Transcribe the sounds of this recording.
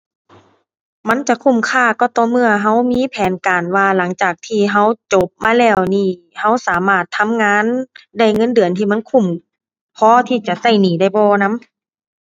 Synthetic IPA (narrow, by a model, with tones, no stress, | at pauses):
ma˧˥˨nt͡ɕa˧˦kʰu˧˩mkʰaː˧˩kɔː˧˩t̪ɔː˧˦mɯ˧˩ɐɦa˧˥˩wmiː˧˥˨pʰɛː˨˦nkaː˨˩nwaː˧la˨˦ŋt͡ɕaː˨˩k̚t̪ʰiː˧˩ɦa˧˥˩wt͡ɕo˧˦p̚maː˧˥˨lɛː˧˩wniː˧˩ | ha˧˥˨wsaː˨˦maː˧˩t̪ʰːa˧˥˨mŋaː˧˥˨nda˧˩jŋɤ˧˥˨ndɯ˨ənt̪ʰiː˧˩ma˧˥˨nkʰu˧˩m | pʰɔː˧˥t̪ʰiː˧˩t͡ɕa˧˨sa˧˩jniː˨˦da˧˩jbɔː˧na˧˥m